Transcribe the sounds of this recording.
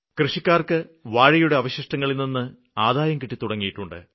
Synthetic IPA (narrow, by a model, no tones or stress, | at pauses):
krɨʂikʲːaːrkɨʋaːɻijuɽe̞ɐʋɐɕiʂʈɐŋːɐɭilninːɨ | aːd̪aːjɐmkiʈːit̪uɽɐŋːijiʈːuɳɖɨ̰